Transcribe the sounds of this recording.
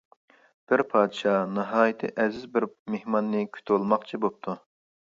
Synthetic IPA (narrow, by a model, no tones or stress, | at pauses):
b̥ɪɾpʰɑːd̪ɨʃɑnɨɦɑːjit̪ʰɨ̰ʔɛzɪzbɪɾmehmɑnːɨkʲʰy̥t̪ʰolˠmɑqt͡ʃʰibop̚t̪ʰu